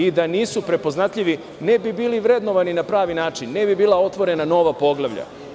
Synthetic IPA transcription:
id̪aniːsupɾe̞po̞znat̪ʎʲiʋi | ne̞bibiːliʋɾe̞d̪no̞ʋaninapɾaːʋinaːt͡ʃinːebibiːlˠao̞t̪ʋo̞ɾe̞nano̞ʋapo̞ɡlˠaʋʎa̰

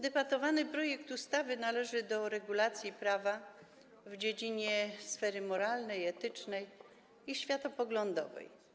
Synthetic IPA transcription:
d̪ɛpat̪ɔvanɘpɾɔjɛkt̪ust̪avɘnalɛʐɘd̪ɔɾɛɡulat̪sʲjipɾava | vd͡ʑed͡ʑiɲɛsfɛɾɘmɔɾalnɛjɛt̪ɘt͡ʂnɛj | iɕfʲjat̪ɔpɔɡlɔnd̪ɔ̰vɛ̰j

